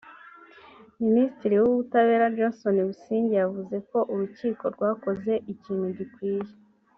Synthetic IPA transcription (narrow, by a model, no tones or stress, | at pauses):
minisi̥tiɾiwuβutaβe̞ːɾad͡ʒonso̞niβusiːɲɟejavuze̞ko̞ʔuɾuciːko̞ɾɡwaːko̞ze̞ʔiciːn̥huɟikwiːje